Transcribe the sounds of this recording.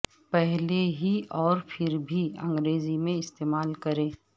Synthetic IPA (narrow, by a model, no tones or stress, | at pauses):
pɛɦleɦiʔɔːɾpʰɪɾbʱiɐ̰̃ŋɡɾeːzimẽɪst̪eːmaːlkɐɾẽː